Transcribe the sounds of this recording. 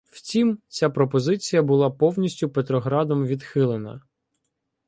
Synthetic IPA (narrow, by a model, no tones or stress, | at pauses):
wt͡sʲimt͡sʲapɾɔpɔzɪt͡sʲijɐbʊlˠɑpɔwnʲisʲtʲʊpet̪ɾɔɦɾɑd̪ɔmʋʲid̪xɪlˠenɐ̰